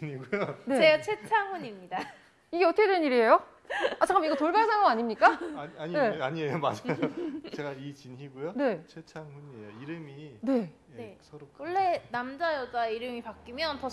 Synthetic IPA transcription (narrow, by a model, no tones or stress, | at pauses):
iniɡujoneet͡ɕʰwet͡ɕʰaŋɸuɲimɲida | iɡe̞ʌtʰʌkʰedeɲiɾie̞jo | at͡ɕaŋɡamiɡʌtoɭbaɭsʰaŋamaɲimɲik͈aaɲine̞aɲiejoma̰d͡ʑajot͡ɕe̞ɡait͡ɕinɦiɡujone̞t͡ɕʰwet͡ɕʰaŋɦuɲiḛjoiɾɯmine̞ | eswʌɭːe̞namd͡ʑajʌd͡ʑaiɾɯmipak͈imjʌntʌ